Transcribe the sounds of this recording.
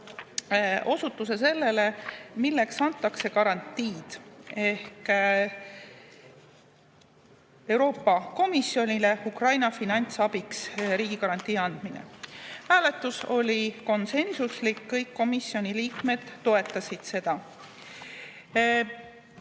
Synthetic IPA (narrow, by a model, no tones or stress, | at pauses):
ʔo̞sut̪ːˑus̬e̞se̞lːe̞le̞milːe̞ksɑnt̪ːˑɑkse̞kɑɾɑnt̪ːiːd̪̥e̞hk | e̞wɾo̞ːpːˑɑko̞misjo̞nʲile̞ukrɑjnɑfinɑnʲt̪sɑbiksɾiːɡ̥ikɑɾɑnt̪ʲːˑiːɑnd̪̥minḛhæːle̞t̪ːˑuso̞lʲiko̞nse̞nsuslikːɤjkːo̞misːio̞nʲiliːkme̞d̪̥ːo̞e̞t̪ˑːɑsid̪̥se̞d̪̥ɑ